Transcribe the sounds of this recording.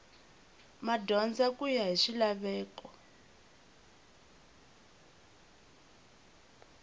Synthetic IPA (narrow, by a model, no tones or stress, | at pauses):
madɔnd͡zakujaɦiʂilaβɛːkɔ